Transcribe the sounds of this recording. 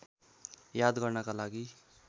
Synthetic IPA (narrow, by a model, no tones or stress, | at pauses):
jad̪ɡʌrnʌkalaɡi